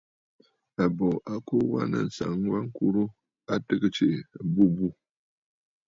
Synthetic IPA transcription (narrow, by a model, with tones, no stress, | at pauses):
a˨bo˨ʔa˦ko˦wa˦nɨ̰˨n˨sa̰˨ŋwa˦ŋ˦ku˦ɾu˦ | a˦tɨ˦kɨ˦t͡ʃe˨bu˦bu˦